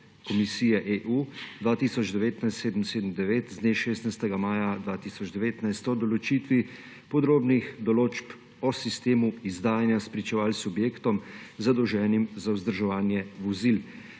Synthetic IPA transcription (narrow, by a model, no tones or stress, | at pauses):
kɔmisiːjɛʔeʔuːd̪ʋaːt̪isɔd͡ʒd̪ɛʋeːt̪najst̪seːd̪əmseːd̪əmd̪ɛʋeːt̪zd̪neʃeːst̪najst̪ɛɡamaːjad̪ʋaːt̪isɔd͡ʒd̪ɛʋeːt̪najst̪ɔd̪ɔlɔt͡ʃiːt̪ʋi | pɔd̪ɾoːbnixd̪ɔloːt͡ʃp | ɔsist̪eːmuizd̪aːjanjaspɾit͡ʃɛʋaːlsubjeːkt̪ɔmzad̪ɔwʒɛːnimzauzd̪əɾʒɛʋaːnjɛʋɔzil